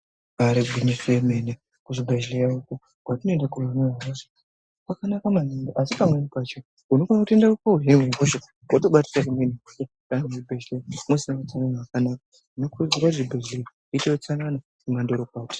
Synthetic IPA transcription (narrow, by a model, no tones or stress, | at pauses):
aɾeɡʱinifiemene | kuʐibʱeʒilejauku | ɡwatino̞endakuranaaazo | kakanakamanonoʔasipamwenipat͡ʃo | unokanakutendakukouɦemeikoʃo | ɡatoɓati̥sak̬umenikuke | kanamuribʱeʒlemosinaat͡sananawakanaka | nokuziɡwaʐibʱeʒlea | itejot͡sanana | kumandoɾokaːti̥